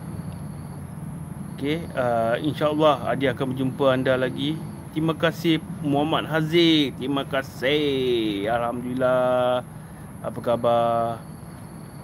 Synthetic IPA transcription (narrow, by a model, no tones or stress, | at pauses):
okeəḭnʃaəlːɑha̰diakanbəd͡ʒumpəandalaɡi | t̪imãkasɪhmuɦamat̪̚ɦazɪt̪ɾimãkasɪ | alhamd̪ulila | apəkaba